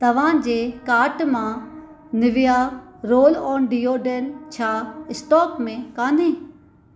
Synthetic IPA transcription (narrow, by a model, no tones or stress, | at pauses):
t̪ɐʋ̤ãd͡ʑeːkaːɾʈmã | nɪʋɪjaɾoːlɔːnɖiːoːɖelt͡ɕʰaːɪsʈɔːkmẽkaːn̤ẽː